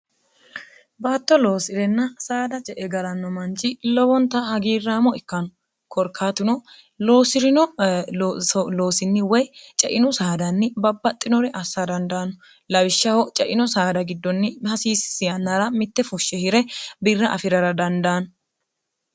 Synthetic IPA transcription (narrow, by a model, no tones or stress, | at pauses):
baːt̪ːɔloːsɪɾɛnːɐsaːd̪ɐt͡ʃʼɛʔɛɡɐɾɐnːɔmɐnt͡ʃʼːɪlɔwɔnt̪ːɐhɐɡiːrːaːmɔɪkːɐnɔ | kʰɔɾkʰaːt̪ɪnɔ | loːsɪɾɪnɔ | lo̞ːsɪnːɪwɔjt͡ʃʼɛʔɪnʊsaːd̪ɐnːɪbɐbːɐt̪ʼːɪnɔɾɛʔɐsːɐd̪ɐnd̪ɐːnɔ | lɐwɪʃːɐhɔt͡ʃʼɛʔɪnɔsaːd̪ɐɡɪd̪ːɔnːɪhɐsiːsɪ̥sɪjɐnːɐɾɐmɪt̪ːɛfʊʃːɛhɪɾɛbɪrːɐʔɐfɪɾɐɾɐd̪ɐnd̪ɐːnɔ